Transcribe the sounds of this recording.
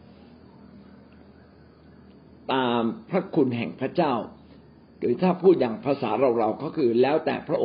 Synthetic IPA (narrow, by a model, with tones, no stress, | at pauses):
t̪aː˧mpʰɾa˦˥kʰu˧nɦɛ˨˩ŋpʰɾa˦˥t͡ɕaː˥˩w | kɯː˨˩˦t̪ʰaː˥˩pʰuː˥˩jaː˨˩ŋpʰɾa˧sa̰ː˩˦ɾa˧wɾa˧wkɔː˦˥˩kʰɯː˧lɛː˦˥wt̪ɛ̰ː˨˩pʰɾa˦˥ʔo˧˨